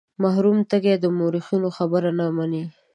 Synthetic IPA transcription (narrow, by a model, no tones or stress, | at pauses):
maɦɾumt̪əɡed̪əmoɾixunoxabəɾanamani